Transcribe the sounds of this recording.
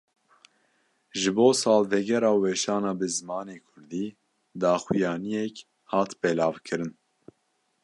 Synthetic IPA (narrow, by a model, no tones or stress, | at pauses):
ʒɨboːsɑːlvɛɡɛɾɑːwɛʃɑːnɑːbɨzɨmɑːneːkʰʊɾd̪iː | d̪ɑːxijɑːnijɛk | hɑːt̪bɛlɑːvkʰɨɾɨn